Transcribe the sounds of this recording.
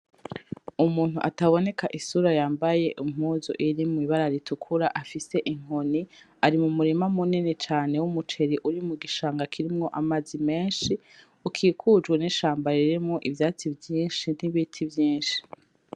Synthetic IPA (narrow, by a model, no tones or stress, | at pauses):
umuːn̥uʔa̰taβo̞ne̞kaʔisuɾajaːmbaje̞ʔum̥huːzo̰ʔiɾimiβaɾaɾitukʰuɾaʔafise̞ʔiŋ̥oni | aɾimumuɾimamuninet͡ʃaːne̞wumut͡ʃe̞ɾiʔuɾimuɡiʃaːŋɡakʰiɾimŋo̞ʔamazime̞ːnʃi | ukʰiːkʰud͡ʒɡweniʃaːmbaɾiɾemŋoʔivjaːt͡sivjiːnʃin̥iβitʰivjiːnʃi̥